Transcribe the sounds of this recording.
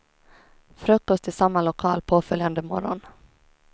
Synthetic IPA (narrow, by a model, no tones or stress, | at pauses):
fɾɵkːɔst̪ɪsamːalʊkʰɑːlpʰoːfœljand̪əmɔɾɔ̰n